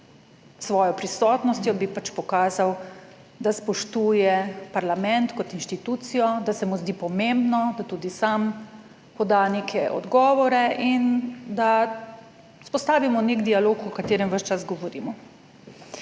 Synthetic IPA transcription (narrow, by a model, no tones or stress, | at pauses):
sʋɔːjɔpɾisɔːt̪nɔst̪jɔbipat͡ʃpɔkaːzaw | d̪aspɔʃt̪uːjɛpaɾlamɛ̃nt̪kɔt̪inʃt̪it̪uːt̪sijɔd̪asɛmuzd̪iːpɔmembnɔd̪at̪uːd̪isam | pɔd̪anekʰɛʔɔ̰d̪ɡɔːʋɔɾɛʔind̪a | spɔst̪aːʋimɔnekd̪ialoːkɔkat̪eːɾɛmʋəʃt͡ʃazɡɔʋɔɾiːmɔ